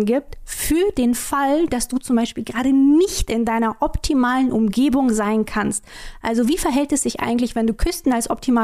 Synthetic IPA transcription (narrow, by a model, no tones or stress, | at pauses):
nɡiːp̚tfyːɐdeːnfald̥asd̥uːt͡sʊmbaɪʃpiːlɡəʁaːdənɪçtʔɪndaɪnɐʔɔptʰimaːlənʔʊmɡeːbʊŋzaɪnkʰanstʔa̰lzoviːfɛɐɦɛltɛsz̥ɪçʔa̰ɪɡŋ̩tlɪçv̥ɛnduːkʰʏstn̩alsʔɔp̚tʰimaː